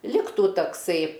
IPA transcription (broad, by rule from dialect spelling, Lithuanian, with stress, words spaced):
ˈlʲɪktuː tɐkˈsɐɪ